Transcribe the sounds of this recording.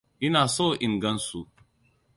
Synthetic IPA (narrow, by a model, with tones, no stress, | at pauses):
ʔɪ˦naː˨so˦ʔɪ˨ŋɡɐ˦nsu˦